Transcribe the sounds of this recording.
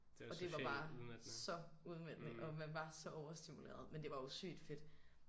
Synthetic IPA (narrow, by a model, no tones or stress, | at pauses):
ɒ̽d̥e̝ʋɑ̈b̥ɑ̈ːsɒ̽uðˠmen̰nəʔɒ̽mænʋɑ̈sɒ̽ʔɒʊɐsd̥imulḛːɐðˠmend̥e̝ʋɑ̈osy̰ːd̥fe̝d̥